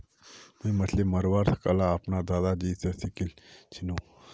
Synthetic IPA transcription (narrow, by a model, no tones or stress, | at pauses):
muimɐt̪ʰlemɐɾʋaːɾt̪ʰkɐlaːpnad̪aːd̪ad͡ʒiːsesikilt͡ʃʰinũ